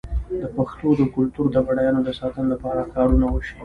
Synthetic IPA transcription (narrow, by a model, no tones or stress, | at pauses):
d̪əpaxt̪od̪əkʊlt̪uɾd̪əɣaɽajɑnod̪əsɑt̪ənolapɑɾakɑɽunawəʃi